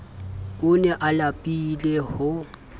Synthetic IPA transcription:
kʼʊnɛʔalapʼilehʊ

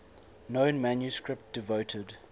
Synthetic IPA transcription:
nõʊ̃nmãnjuskɹɪp̚t̚d̥ɪvotʰəd

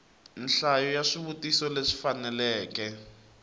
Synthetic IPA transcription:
n̩ɬajɔjaʂiβutisɔleʂi̥fanɛlɛːkɛ

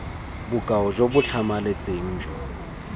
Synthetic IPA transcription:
bʊkʼaɔʒobʊt͡ɬʰamalet͡sʼeŋ̩ːd͡ʒɔ

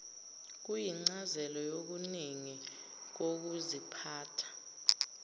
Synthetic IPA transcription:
k̬ujiŋ͡ǀazɛlɔjok̬uniŋi | k̬ok̬uzipʰaːtʰḁ

